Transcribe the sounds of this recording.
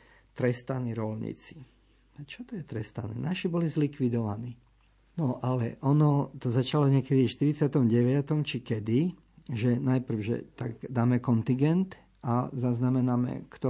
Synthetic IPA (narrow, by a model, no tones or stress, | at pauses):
t̪ɾɛst̪aniɾɔlɲḭt͡si̥ | t͡ʃɔt̪ɔjɛt̪ɾɛst̪a̰nɛ̰ːnaʃibɔlizlikʋid̪ɔʋaniː | nɔʔalɛ̰ʔɔnɔt̪ɔzat͡ʃalɔɲɪɛkɛd̪iʃt̪iɾit͡sɪat̪ɔmɟɛʋɪat̪ɔmt͡ʃikɛd̪i | ʒɛnajpr̩wʒɛ̰t̪aɡd̪aːmɛkɔnt̪iŋɡɛnt̪ | ʔazaznamɛnamɛ̰kt̪ɔ